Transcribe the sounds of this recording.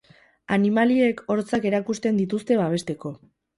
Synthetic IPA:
animalie̞ko̞ɾt͡sake̞ɾakust̪e̞nd̪it̪̬ust̪e̞βaβ̞e̞st̪e̞ko̞

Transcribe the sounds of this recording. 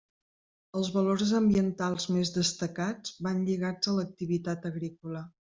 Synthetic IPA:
əlˠzβəloɾzəmbiənt̪alˠzmezðəst̪əkad͡zβanʎiɣad͡zələk̚t̪iβit̪at̪əɣɾikulə

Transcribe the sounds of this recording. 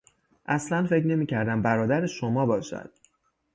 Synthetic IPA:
ʔæslænfe̞cʰne̞miːcʰæɾd̪æmbæɾɒːd̪æɾeʃomɒːbɒːʃæ̰d̪̥

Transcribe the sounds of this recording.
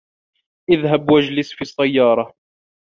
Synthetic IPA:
ʔɪðɦabwad͡ʒlɪsfisːajːɑːɾˤɑ

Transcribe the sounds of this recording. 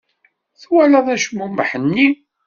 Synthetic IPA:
θwælæðˤæʃmumːħənːi

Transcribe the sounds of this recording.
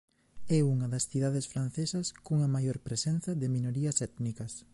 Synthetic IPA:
ɛuŋɐðɐsθiðaðesfɾan̟θesɐskuŋɐmajoɾpɾesɛn̟θɐðeminoɾiɐsɛt̪nikɐs

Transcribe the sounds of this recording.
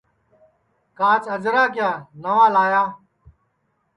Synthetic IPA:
kaːt͡səd͡ʒɾaːkɪjaːnəʋaːlaːjaː

